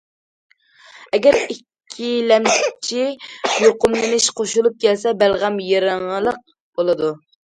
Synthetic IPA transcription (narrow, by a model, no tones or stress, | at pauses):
ɛɡʲɛɾikʲʰːilɛmt͡ʃɪ̥t͡ʃʰijoqʊmlɨnɪʃqoʃulˠup̚kʲɛlsɛbælʁæmjeɾəŋəlˠəq̚ | b̥olˠɨd̪u